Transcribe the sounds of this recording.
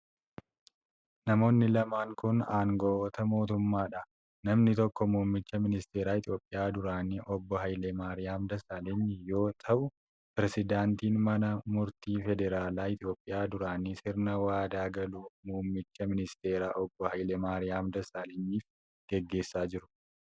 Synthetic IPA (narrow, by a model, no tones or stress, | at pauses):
nɐmo̞ːnːɪlɐmaːŋkʊnaːŋɡɔʔːt̪ɐmo̞ːt̪ʊmːaːᶑɐ | nɐmnɪt̪ɔkːɔmuːmːɪt͡ʃːɐmɪnɪst̪e̞ːɾaːɪt̪ɪjo̞ːpʼːɪjaːd̪ʊɾaːnɪʔɔbːɔɦɐjleːmaːɾɪjaːmd̪ɐsaːlɪnːɪjo̞ːt̪ʰɐʔʊ | pɪɾɛsɪd̪aːnt̪iːnmɐnɐmʊɾt̪iːfɛd̪ɛɾaːlaːɪt̪ɪjo̞ːpʼːɪjaːd̪ʊɾaːnisɪɾnɐwaːd̪aːɡɐluːmuːmːɪt͡ʃːɐmɪnɪst̪eːɾaːʔɔbːɔhɐjleːmaːɾɪjaːmd̪ɐsaːlɛnːiːf | ɡ̥ɛɡːe̞ːsːaːd͡ʒɪɾʊ̥